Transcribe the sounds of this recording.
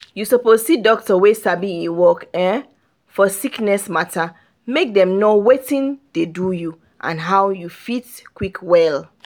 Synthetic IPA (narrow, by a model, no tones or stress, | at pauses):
jusopozsidɔk̚tɔwesabiiwɔkɛ̃ | fɔsiknɛsmatʰa | mek̚dɛ̃mnowetĩnd̥eduju | ʔã̰nɦawjufitkwikʰwɛl